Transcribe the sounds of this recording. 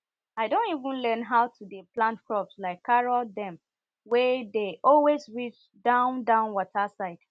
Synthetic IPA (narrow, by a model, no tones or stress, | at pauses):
aɪdõntivə̃nlɜ̃nɦaʊtʰudəplãntkɹɔpslaɪkʰːaɹɔldɛ̃m | wɛdeʔɔlwezɹit͡ʃ | dãʊ̃ndãʊ̃nwɔtʰasaɪd̥